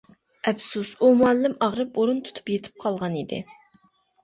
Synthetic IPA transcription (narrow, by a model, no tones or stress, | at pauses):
ɛpsusumuɛlːɪmɑʁɾɨpoɾunt̪ʰu̥t̪ʰu̥pjet̪ʰɪ̥p̚qʰɑlˠʁɑnid̪ɪ̰